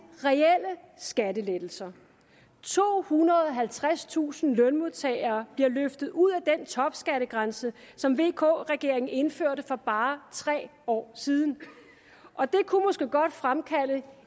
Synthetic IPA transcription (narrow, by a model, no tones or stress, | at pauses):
ʁɛel̰ə | sɡ̥ædəled̥l̩sɐ | t͡sʰo̝̰ːhunɐð̩ˠɒɦælt͡sʰʁast͡sʰṵːsn̩lɔnmoðˠt͡sʰɛ̰ːɪɐːb̥liɐløfd̥ð̩ˠuð̞̰ˠæd̥ent͡sʰɒ̽b̥sɡ̥æɾəɡ̥ʁansə | sɒ̽mʋe̝̰ːkʰɔ̰ːʁɛɡ̥e̝ɐe̝ŋn̩e̝nføɐ̰ɾəfɒ̽b̥ɑ̈ːt͡sʰʁɛ̰ːɒ̰ːsiːð̞ˠn̩ | ʔɒ̽d̥e̝kʰumɒ̽sɡ̥e̝ɡ̥ɒ̽d̥fʁamkʰæl̰ə